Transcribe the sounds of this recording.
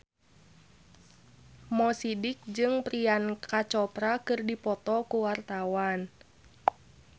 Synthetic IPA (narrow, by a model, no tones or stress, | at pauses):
mɔsidɪk̚d͡ʒɨŋpɾiankat͡ʃɔpɾakɨrdipɔt̪ɔkuwart̪awan